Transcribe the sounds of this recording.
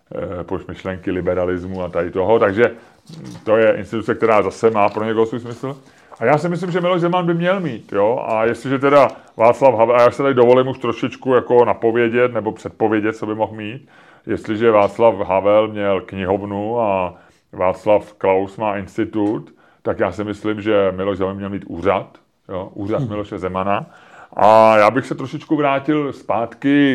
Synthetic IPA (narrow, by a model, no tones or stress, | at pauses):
pomɪʃlɛŋkɪlɪbɛɾalɪzmuat̪adɪt̪oɦot̪aɡʒɛ | t̪o̞jɛʔɪ̰nst̪ɪt̪ut͡sɛk̚t̪ɛɾaːzasɛmaːpɾo̞ɲɛkoɦosvuːjs̬mɪsl̩ | ʔajaːsɪmɪs̬lɪmʒɛmɪlo̞ʒzɛmanbɪmɲɛlmiːt̪joʔa̰jɛst̪lɪʒɛt̪ɛda | vaːt͡slafɦavɛlajaːʃsɛt̪addovo̞lɪmuʃt̪ɾoʃɪt͡ʃkujako̞napo̞vjɛɟɛt̪nɛbo̞pr̥ɛt̪̚po̞vjɛɟɛt̪̚t͡sobɪmo̞xmiːt̪ | jɛst̪lɪʒɛvaːt͡slafɦavɛlmɲɛlkɲɪɦovnua | vaːt͡slafklawsmaːʔɪnst̪ɪt̪ut̪ː | akjaːsɪmɪslɪmʒɛmɪlo̞ʒzɛmanmɲɛlmiːt̪ṵːr̝at̪ | joʔuːrat̪mɪloʃɛzɛmana | ʔajaːbɪxsɛt̪ɾo̞ʃɪt͡ʃkuvɾaːcɪlspaːt̪kɪ